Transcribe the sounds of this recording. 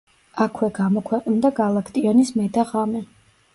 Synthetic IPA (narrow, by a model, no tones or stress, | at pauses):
akʰwɛɡamɔkʰwɛqʼnd̪aɡalˠakʰt̪ʼiɔnismɛd̪aʁamɛ